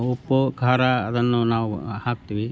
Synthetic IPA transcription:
upːukʰaːɾaɐd̪ɐnːunaːʋuhaːk̚t̪iːʋi

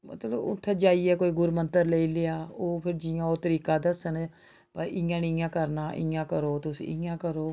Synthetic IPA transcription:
mə̰t̪ləbʊ̰t̪ʰːẽːd͡ʒaːiːɛːkoːiːɡʊɾmənt̪əɾleiːleaːoːpʰɪɾd͡ʒɪjãːoːt̪əɾiːkaːd̪əsən | pəɾɪjãːnijãːkəɾnaːʔɪ̰̃jãːkəɾoːt̪ʊsḭːɪãːkəɾoː

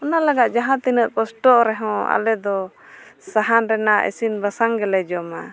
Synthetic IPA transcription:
ɔnalaɡaʔ̪̚d͡ʒaɦãt̪inəʔ̪̚kɔsʈɔɾɛɦɔ̃a̰lɛd̪ɔ | saɦanɾɛnaʔɛ̰sinbasaŋɡɛlɛd͡ʒɔma

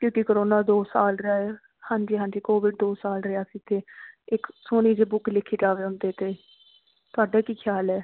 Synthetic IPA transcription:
kjõːkɪkoɾoːnaːd̪oːsaːlɾəaːɛ | hãːɲd͡ʒiːɦãːɲd͡ʒiːkoːʋɪɖd̪oːsaːlɾəaːsiːt̪ʰeːɪksoːñiːd͡ʒeːbʊklɪkʰːiːd͡ʒaːʋeːʊnd̪eːt̪eː | t̪ʊaːɖaːkiːkʰjaːlɛː

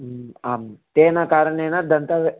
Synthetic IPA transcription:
aːmt̪eːnakaːɾɐɳeːnɐd̪ɐnt̪ɐʋ

